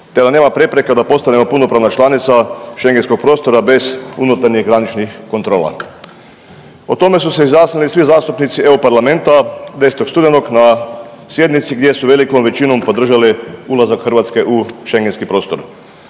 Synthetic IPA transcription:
t̪ed̪ane̞ːmapɾe̞pɾe̞ked̪apo̞st̪anemo̞puno̞pɾaːʋnat͡ʃlanit̪saʃe̞ŋɡensko̞k̚pɾo̞ːst̪o̞ɾabe̞zunut̪aɾɲiɣɡɾanit͡ʃnixko̞nt̪ɾo̞ːla̰ | ot̪o̞me̞suse̞izjasnilisʋizaːst̪upnit̪sie̞ɾopaɾlame̞nt̪ad̪e̞set̪o̞kst̪ud̪eno̞kna | sje̞d̪nit̪siɡd̪ʲje̞suʋe̞liko̞mʋe̞t͡ʃino̞mpo̞d̪r̩ʒaliulˠazakxrʋat̪ske̞ʔuʃe̞ŋɡenskipɾo̞ːst̪o̞̰ɾ

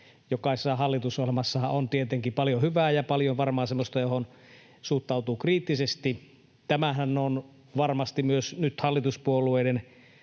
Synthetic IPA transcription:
jokɑˑisesːɑhɑlːit̪usolemɑsːɑhɑont̪iet̪eŋkipɑljohyʋæːjɑpɑljoʋɑrmɑːsemːost̪ɑjohon | suht̪ːˑɑut̪uːkriːt̪ːisest̪i | t̪æmæhænːon | ʋɑrmɑst̪imyøsnyt̪hɑlːit̪uspuolˑueˑːden

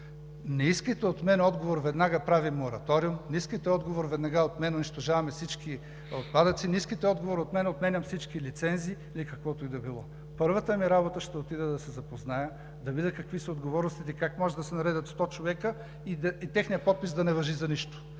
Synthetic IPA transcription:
nɛiskəjt̪ɛot̪mɛnɛɔd̪ɡovoɾvɛd̪naɡəpɾavimːoɾɐt̪ɔɾiumniskəjt̪ɛɔd̪ɡovoɾvɛd̪nɐɡaot̪mɛnɛʊniʃt̪oʒavɐmɛfsit͡ʃki | ot̪̚pad̪ət̪siniskit̪ɛɔd̪ɡovoɾiot̪mɛnɛot̪mɛnʲɐmfsit͡ʃkilit̪sɛnziːilikɐkvɔt̪oid̪ɐbilˠɔ | pɤɾvət̪əmiɾabot̪əʃt̪ɛot̪id̪ɛd̪ɐsɛzɐpoznajə | d̪ɐbid̪ɛkɐkvisəod̪ɡovɔɾnʊst̪it̪ɛikakmɔʒɛd̪ɐsɛnɐɾɛd̪ət̪st̪ɔt͡ʃovɛkə | id̪ɐit̪ɛxnijəpɔt̪̚pisd̪ɐnɛvɐʒizɐniʃt̪ʊ̥

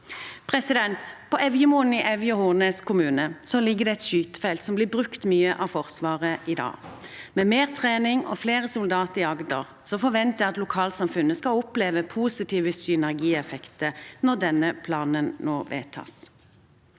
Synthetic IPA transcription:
pʰʁɛsɪd̪ɛnt̪pʰɔʔɛʋjəmoːn̩iʔɛʋjəɔhuːʁneːskʰʊmʉːnəsɔlɪɡːəd̪ɛɛt̪ʃyːt̪ə̥fɛlt̪sɔmblɪːbʁʉkt̪myːəʔɑfɔʁsʋɑːʁəʔɪd̪ɑ̰ːmɛmeːʁt̪ʰʁeːnɪŋɔ̰fleːʁəsʊld̪ɑːt̪əɪɑɡd̪ə̰ʁ | sɔfɔʋɛnt̪jæɑt̪lʊkʰɑːlsɑmfʉnːəskɑʊpleːʋəpʰuːsɪt̪ʰiːʋəsʏnæʁɡiːɛfɛkt̪ənɔʁd̪ɛnəpʰlɑːnənnoːʋḛːt̪ʰɑ̰ːs

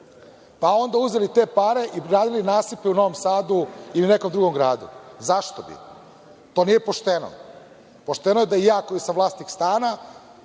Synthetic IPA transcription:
pao̞nd̪auzelit̪e̞paɾe̞ʔiɡɾaːd̪ilinaːsipeuno̞ʋomsaːd̪uiline̞komd̪ɾuɡo̞mɡɾaːd̪ṵzaʃt̪obḭ | t̪o̞ːnije̞po̞ʃt̪eno̰ | po̞ʃt̪enojed̪aijaːko̞jisamʋlˠaːst̪nikst̪aːna

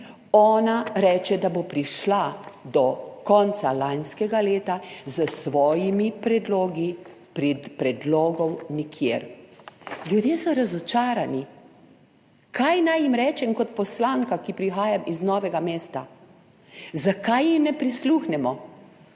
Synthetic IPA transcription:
ɔːnaɾɛːt͡ʃɛd̪abopɾiʃlad̪ɔkɔnt̪salanskɛɡaleːt̪azəsʋɔːjimipɾɛd̪loːɡi | ppɾɛd̪loːɡɔwnikʰjeɾ | ljud̪jeːsɔɾazɔt͡ʃaːɾani | kʰajnajimɾɛːt͡ʃɛmkɔt̪̚pɔslaːŋkakipɾixaːjamiznɔːʋɛɡameːst̪a | zakajːixnɛpɾisluxnɛmɔ

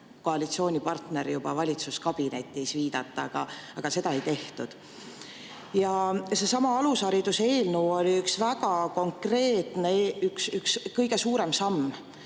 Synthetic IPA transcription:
ko̞ɑlʲit̪sio̞ːnʲipɑrt̪ne̞ɾjubɑvɑlʲit̪suskɑb̥ine̞t̪ːˑisviːd̪ɑt̪ːˑɑɑɡ̥ɑɑɡ̥ɑse̞d̪ɑe̞jt̪e̞ht̪ud̪̥ | jɑse̞sɑmɑɑlusɑɾid̪̥use̞ːlnuo̞lʲiyksvæɡɑko̞ŋkre̞ːt̪ˑneyksykskɤjɡe̞suːɾe̞msɑmː

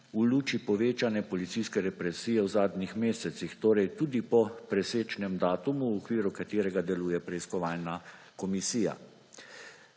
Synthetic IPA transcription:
uluːt͡ʃipɔʋeːt͡ʃanɛpɔlit̪siskɛɾɛpɾɛsiːjɛwzaːd̪nixmeːsɛt̪sixt̪oːɾɛjt̪uːd̪ipɔpɾɛseːt͡ʃnɛmd̪aːt̪umuwɔkʋiːɾukat̪eːɾɛɡad̪ɛluːjɛpɾɛiskɔʋaːlna | kɔmisiːja̰

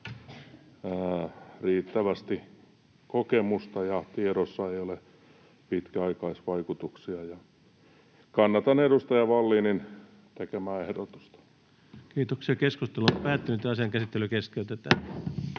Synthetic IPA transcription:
əːriːt̪ːæʋæst̪i | kokemust̪ɑjɑt̪ieɾosːɑeiole | pit̪kæɑikɑisʋɑikut̪uksiɑjɑ | kɑnːɑt̪ɑnedust̪ɑjɑʋɑlːiːnin | t̪ekemæːehdot̪u̥st̪ɑ̥ | kiːt̪oksiɑkeskust̪eluompæːt̪ːynyt̪eɑsiɑŋkæsit̪ːelykeskeyt̪et̪æ

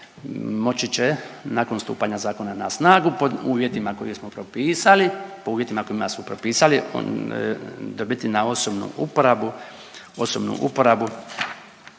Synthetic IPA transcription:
mo̞t͡ɕit͡ɕenaːkonst̪ṵːpaɲazaːko̞nana̰snaːɡupouːʋje̞t̪imako̞jismopɾopiːsalipouːʋje̞t̪imako̞imasmopɾopiːsalḭ | d̪o̞bit̪inao̞sobnṵʔupoɾabu | o̞sobnṵʔṵpo̞ɾabu

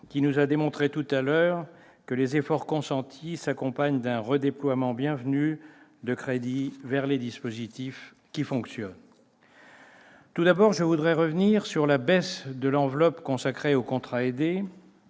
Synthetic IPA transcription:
kʲinuzad̪emɔ̃t̪χet̪ut̪alœʁ | kəlezefɔʁkɔ̃sɑ̃t̪ʰisakɔ̃paɲd̪ɛ̃ʁəd̪eplwamɑ̃bjɛ̃vnyd̪əkχed̪ivɛʁled̪ispozit̪if | kʲifɔ̃ksjɔn | t̪ud̪abɔʁʒəvud̪ʁɛʁəvniʁsyʁlabɛsd̪əlɑ̃vlɔpkɔ̃sakχeokɔ̃t̪χaed̪e

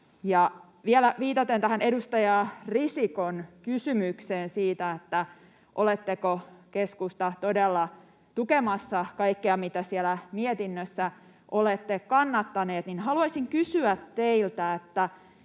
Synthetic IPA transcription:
jɑ | ʋielæʋiːt̪ɑt̪ent̪æhænedust̪ɑjɑrisikonkysymykseːnsiːt̪æet̪ːæ | ʔolet̪ːekokeskust̪ɑt̪odelːɑ | t̪ukemɑsːɑkɑikːeɑmit̪æsielæmiet̪inːøsːæ | ʔolet̪ːekkɑnːɑt̪ːɑneːt̪ninɦɑluɑsiŋkysyæt̪ːeilt̪æet̪ːæ

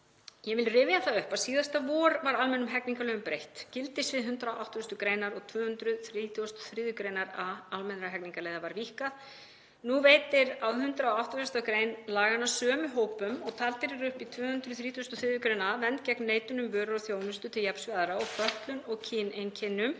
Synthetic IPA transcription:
jɛvɪlrɪːvɪjaθaðʏhpasiːðast̪avɔːɾvaɾalmɛnʏmɦɛkniŋkalœːɣʏmpɾejht̪cɪlt̪ɪsvɪðɦʏnt̪ɾaoʔawht̪ʏst̪ʏkɾejnaɾɔɣt̪ʰvʏːhʏnt̪ɾʏθɾiːt̪ʰiɔst̪ɔ̥θɾɪːðʏkɾejnaɾaalmɛnɾaɦɛkniŋkalejðavaɾvihkað | nuveːjt̪ɪɾawɦʏnt̪ɾaɔawht̪ɔfɛst̪akɾeːjnlaːɣanːasœːmʏɦoːwpʏmɔɣt̪ʰalt̪ɪɾɪɾʏhpit̪ʰvʏːhʏnt̪ɾʏθɾiːt̪ʰiɔst̪ʏ̥θɾɪːðʏkɾejnavɛnt̪cɛknːeːjt̪ʏnʏmvœːɾʏɾɔθjoːwnʏst̪ʏt̪ʰɪljapsvaðɾaɔɣfœht̪lʏnɔɣcʰɪːnejncʰɪnːʏm

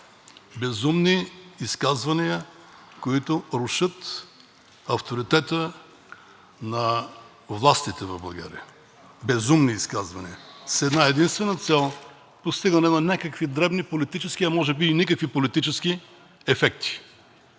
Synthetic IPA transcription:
bɛzumniːskazvɐnijə | koit̪ʊɾʊʃɤt̪ | ɐft̪oɾit̪ɛt̪ə | nɐ | vlˠast̪it̪ɛvɐvblˠɐɡa̰ɾḭə | bɛzumniːskazvɐnḭəsɛd̪naɛd̪inst̪vɛnət̪sɛlˠ | post̪iɡənɛnɐnʲakəkvid̪ɾɛbnipolit̪it͡ʃɛskʲiɐmɔʒɛbiːnikəkvipolit̪it͡ʃɛsk̟i | ɛfɛk̚t̪ʰi̥

